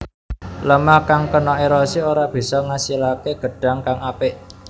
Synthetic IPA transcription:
ləmahkaŋkənɔʔeɾɔsioɾab̥i̤sɔŋasilakeɡ̥ə̤ɖ̥a̤ŋkaŋapɪʔ

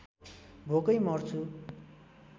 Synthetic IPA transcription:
bʱokʌjmʌrt͡sʰu

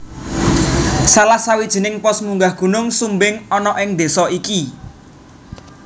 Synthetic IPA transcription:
salahsawid̥ʒ̥ə̤nɪŋpɔsmuŋɡahɡ̥ṳnʊŋsumbɪŋɔnɔʔɪŋd̪e̤sɔiki

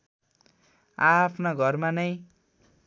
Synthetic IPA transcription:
apʰnaɡʱʌrmanʌj

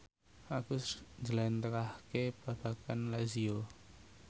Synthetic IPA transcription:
aɡ̥usɲd͡ʒəlant̪əɾahkeb̥a̤b̥a̤kanlazio

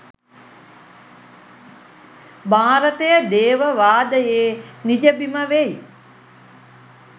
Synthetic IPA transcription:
bʱaːɾət̪əjəd̪eːʋəʋaːd̪əjeːnid͡ʒəbiməʋej

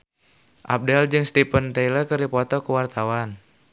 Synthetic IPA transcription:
ʔa̰p̚dɛld͡ʒɨŋst̪ipənt̪eiləkɨripɔt̪ɔkuwart̪awan

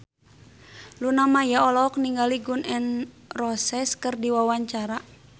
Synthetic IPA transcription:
lunamajaɔlɔk̚niŋɡaliɡunɛn | rɔsɛskərdiwawaɲt͡ʃaɾa

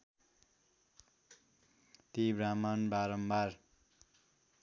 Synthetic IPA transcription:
t̪ibramʌnbaɾʌmbar

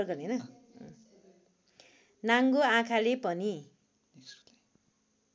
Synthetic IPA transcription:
rɡʌnenʌ | naŋɡoãkʰalepʌni

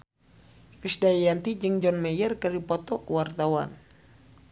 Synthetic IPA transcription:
fisdajant̪id͡ʒɨŋd͡ʒɔnmɛjərkəɾipɔt̪ɔkəwart̪awan

